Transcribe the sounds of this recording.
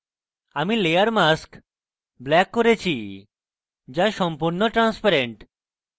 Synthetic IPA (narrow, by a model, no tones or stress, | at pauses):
amileaɾmask | blɛkːoɾet͡ɕʰi | d͡ʑaʃɔmpuɾnoʈɾanspaɾeɳʈ